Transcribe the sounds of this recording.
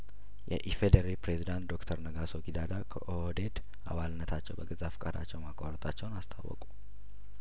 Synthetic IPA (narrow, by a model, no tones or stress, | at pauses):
jɛ̰ʔifed̪əɾipɾezid̪ant̪d̪o̞kt̪ʰəɾnəɡaso̞ɡid̪ad̪akʰəʔohod̪e̞d̪ | ʔa̰βalɨnːət̪ʰat͡ʃːɛwbəɡɨzafkʼad̪a̰t͡ʃːɛwmakʼaɾət̪ʼat͡ʃːɛwnast̪ʰawːɔ̰kʼu̥